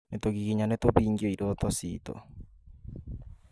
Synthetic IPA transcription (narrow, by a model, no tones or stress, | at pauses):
net̪oɡiɣiɲanet̪oβiːŋɡioidot̪ɔsiːt̪o̰